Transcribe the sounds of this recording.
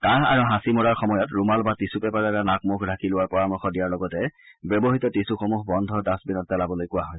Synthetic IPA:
kãɦa̰ɹuɦãsimɔɹaɹxɔmɔjɔtɹumalbatisupɛpaɹakanak̚mukʰdʱakilʊwaɹpɔɹamɔxɔdijaɹlɔɡɔtɛ | bɔbɔɦitɔtisuxomuɦbɔndʱɔdasbinɔt̚d͡ʒalabɔlojkʊwaɦɔj

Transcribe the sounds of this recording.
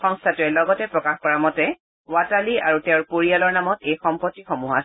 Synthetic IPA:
xɔŋstʰatuɹɛlɔɡɔtɛpɹɔkaxkɔɹamɔtɛ | wataliaɹutɛʊɹpoɹialɔɹnamɔtejxɔmpɔtːixɔmuɦa

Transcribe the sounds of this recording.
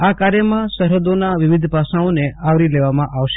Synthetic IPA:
akaɾjəmãsəɾɦəd̪onaʋɪʋɪd̪ʱpasãõneaʋɾileʋamãʔaʋʃ

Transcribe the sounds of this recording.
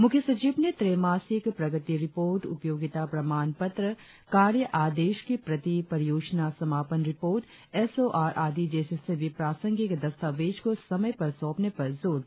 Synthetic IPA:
mʊkʰjəsɐt͡ʃiːʋnet̪ɾeːmaːsɪkpɾɐɡət̪iɾɪpoːɾʈʊ̰pjoːɡɪt̪apɾɐmaːnpɐt̪ɾə | kaːɾjəʔaːd̪eːʃkipɾɐt̪ipɐɾɪjoːd͡ʒnasɐmaːpənɾɪpoːɾʈ | ɛsoːʔaːɾʔaːd̪id͡ʒeːseseʋipɾaːsə̃ŋɡɪkd̪ɐst̪aːʋeːʃkosɐməjpɐɾsɔːpnepɐɾzoːɾ

